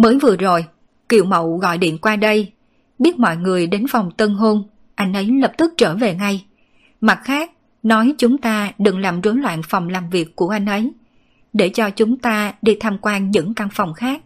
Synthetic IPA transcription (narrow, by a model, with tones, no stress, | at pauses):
məː˨˦jvɨ˨˩əzo˨˩j | kḭ˧˩əwmə̰˧˨wɣɔ̰˧˨jɗḭ˧˨ənkwaː˧ɗə˧j | ɓi˦˥t̚mɔ̰˧˨jŋɨ˨˩əjɗe˨˦nfa˨˩wŋ͡mt̪ə˧nɦo˧n | ʔa˧jŋ̟ʔə˨˦jləː˨˩p̚t̪ɨ˦˥k̚t͡ɕəː˧˩ve˨˩ŋa˧j | ma˨˩t̚xaː˦˥k̚ | nɔ˨˦jt͡ɕʊ˨˦ŋ͡mt̪aː˧ɗɨ˨˩ŋlaː˨˩mzo˨˦jlwa̰ː˧˨nfa˨˩wŋ͡mlaː˨˩mvi˨˩əkːu˧˩əʔa˧jŋ̟ʔə˨˦j | ɗe˧˩t͡ɕɔ˧t͡ɕʊ˨˦ŋ͡mt̪aː˧ɗi˧t̪ʰaː˧mkwaː˧nɲɨ̰˧˥ŋka˧nfa˨˩wŋ͡mxaː˦˥k̚